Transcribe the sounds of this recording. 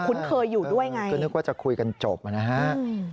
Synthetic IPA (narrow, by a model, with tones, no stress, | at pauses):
kʰu˧˥nkʰɤː˧jːuː˨˩du˥˩əjŋa˧jɔ˧˥nːɯ˦˥k̚waː˥˩t͡ɕa˨˩kʰu˧jka˧nt͡ɕo˨˩p̚ʔa˨na˦˥ɦa˦˥˧